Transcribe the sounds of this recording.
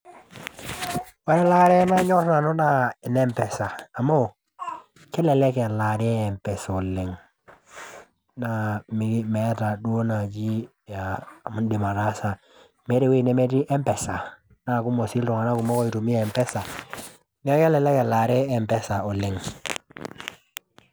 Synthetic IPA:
wa˦ɾɛ˦la˦ɾe˦na˦ɲɔ˦tna˨no˦na˦ɛ˨ne˦mpe˨sa˨a˨mo˦˨ | kɛ˦le˨le˦ke˨la˨ɾe˦ɛ˨mpɛ˨so˨li˨ŋ | na˦mi˦ɡme˨˦ta˨du˦o˦na˨d͡ʒi˦ | ja˨mu˦ndi˨ma˨ɾa˦sa˨ | me˦ɾi˨we˦˨ne˦me˦ti˦ʔɛ˦mpɛ˨sa˨ | na˦˨ku˦mo˨si˦lto˨ŋa˨na˦ku˨mo˦ko˦i˨tu˨mi˦˨mpe˦sa˨ | ne˦ke˦le˨le˦ke˨la˨ɾe˦e˨mpe˦sa˨o˨li˨ŋ

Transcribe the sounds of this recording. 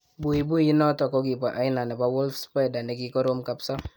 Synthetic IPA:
bu˨i˨bu˦ji˦nɔ˦tɔ˨kɔ˦ɡi˨pa˨ʔa˦ɪ˦na˨nɛ˨pa˦wɔ˦lfspa˦jda˨nɛ˨˦ki˦kɔ˦ɾo˦mka˨psa˦

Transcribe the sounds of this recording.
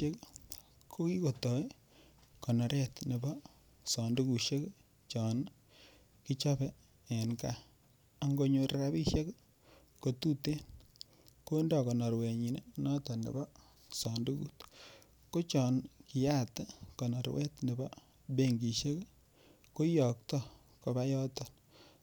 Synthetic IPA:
e˦k | kʰo˦ki˦ko˨tɔ˨i˦ | kɔ˨nɔ˨ɾɛ˦˨tne˨bɔ˦ | sɔ˨ndu˦ku˨ʃe˦k | t͡ʃɔ˨n | ki˦t͡ʃa˦bɛ˨ | ɛ˨nka˦˨ | a˦ŋɡo˦ɲo˨ɾa˦bi˦ʃje˦k | ko˨tu˦te˦n | ko˦ndɔ˨kɔ˨nɔ˨ɾwe˨ɲi˨ne˦nɔ˦tɔ˨nḛ˨bɔ˦ | sɔ˨ndu˦kṵ˨t | ko˦t͡ʃɔ˨nki˨ja˦tkɔ˨nɔ˨ɾwɛ̰˦tne˨bɔ˦ | be˦ŋɡi˨ʃe˦k | ko˦jɔ˨k̚tɔ˦ | ko˨ba˦jɔ˦tɔ˨n

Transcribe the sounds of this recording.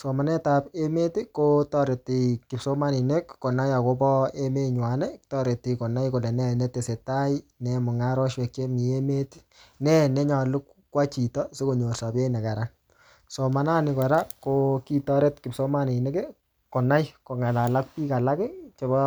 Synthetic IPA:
so˨ma˨nɛ˦ta˨pe˦me˦ti˦ko˦tɔ˦ɾe˨ti˨kɪ˨pso˦ma˦ni˨ne˦kːo˨na˦ja˨ko˦pɔ˦e˦me˦ɲwa˨nɛ˦tɔ˦ɾe˨tːi˨ko˨na˦jko˨lɛ˨nɛ˦nɛ˦te˨se˨ta˦jnɛ˨mʊ˨ŋa˦ɾɔ˦ʃwɛ˨ke˦mi˨e˦me˦ti̥˦ | nɛ˦nɛ˦ɲɔ˨lʊ˦k | kːwa˦t͡ʃi˨tɔ˦se˦ko˨ɲo˨rsa˨be˦nɛ˨ka˨ɾa˦n | so˨ma˨na˦nɪ˨kɔ˨ɾa˦ko˦ki˦tɔ˦ɾe˦tkɪ˨pso˦ma˦ni˨ne˦ke˦ | ko˨na˦jko˨ŋa˨la˨la˦k̚pi˦ka˨la˦kɪ˦t͡ʃo˨bɔ˦

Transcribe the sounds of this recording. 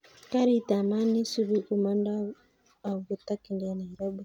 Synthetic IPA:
ka˦ɾi˦ta˨ma˦ni˦su˦βu˦ku˨ma˦ndaː˦˨ | ɡu˨ta˦ki˨nda˨na˨i˨ɾa˦bu˦˨

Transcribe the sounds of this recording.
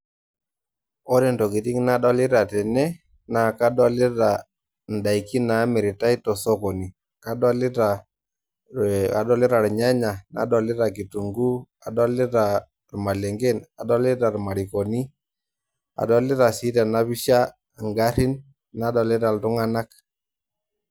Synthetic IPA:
ɔ˦ɾɛ˨ntɔ˨ki˨ti˦ŋ˦na˦dɔ˦lɪ˦ɾa˨tɛ˨nɛ˦ | na˨ka˦dɔ˦lɪ˦ta˨ | n̩˨da˨i˨ki˦na˨˦mɪ˨ɾɪ˨ta˦i˦tɔ˨sɔ˦kɔ˨ni˨ | ka˦dɔ˦lɪ˦ta˨ | a̰˨dɔ˦lɪ˦ɾa˨ɾɲa˦ɲa˨na̰˨˦dɔ˨lɪ˦ɾa˨ki˨tu˨ŋɡu˦ | a˨dɔ˦lɪ˦ta˨ | ɾma˨lɛ˨ŋɡɛ˦na˨dɔ˦lɪ˦ta˨ɾma˨ɾi˨kɔ˨ni˦ | a̰˨dɔ˦lɪ˦ɾa˨si˦ta˨na˦βɪ˦ʃa˦˨ | ŋɡa˦ɾi˦n | na˨˦dɔ˨lɪ˦ɾa˨ltʊ˦ŋa˦na˦k

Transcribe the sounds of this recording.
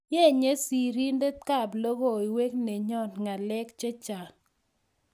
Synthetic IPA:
je˦˨ɲe˦si˨ɾi˦nde˦tka˦˨blo˦ɡo˦˨i˨we˦kne˨ɲɔ˦˨tŋa˨lɛ˦kt͡ʃe˦t͡ʃa˨

